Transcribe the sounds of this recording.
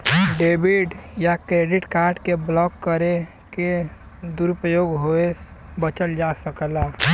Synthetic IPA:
ɖeːbɪɖjakɾeːɖɪʈkaːɾɖkeblɔːkːəɾe | ke | d̪uɾʊpəjoːɡɦoesbət͡ʃəld͡ʒasəklaː

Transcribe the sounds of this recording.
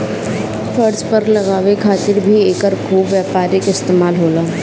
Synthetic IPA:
fʰəɾzpɐɾlɐɣaːʋekʰaːt̪ɪɾbʱieːkəɾkʰuːbʋjaːpaːɾɪkɪst̪eːmaːlɦoːlaː

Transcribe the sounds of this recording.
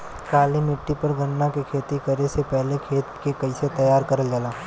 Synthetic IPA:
kaːlimɪʈːipɐɾɡʱɐnːakekʰeːt̪ikɐɾesepɛɦlekʰeːt̪kekɐɪset̪ɐjaːɾkɐɾəld͡ʒəlaː

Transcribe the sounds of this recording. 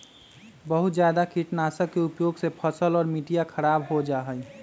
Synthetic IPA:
bəɦut̪d͡ʒjaːd̪akiʈnasəkːeupjoɡsepʰəsəlɔːɾmiʈijakʰəɾaːbɦod͡ʒaɦəj

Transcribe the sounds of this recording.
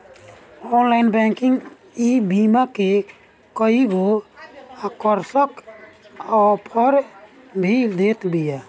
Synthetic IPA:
ɔnlajnbɛŋkiŋɡ | ibimake | kɔiɡo | akɔɾsɔk | ɔpʰɔɾ | bʱid̪et̪bija

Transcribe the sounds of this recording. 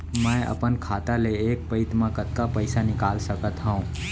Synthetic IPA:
mɛ̃ɐ̰pənkʰaːt̪aleeːk̚pəɪt̪mãkət̪kapəɪsanɪkaːlsəkət̪ɦəũ

